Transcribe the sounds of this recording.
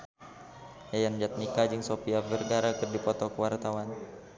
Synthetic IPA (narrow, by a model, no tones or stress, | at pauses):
jajand͡ʒat̪̚nikad͡ʒɨŋsopiavərɡaɾakɨrdipɔt̪ɔkəwart̪awan